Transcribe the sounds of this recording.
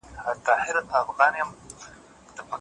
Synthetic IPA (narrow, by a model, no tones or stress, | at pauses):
hat̪ɑːhɪɾat̪afɣɑnjam | d̪̥əpa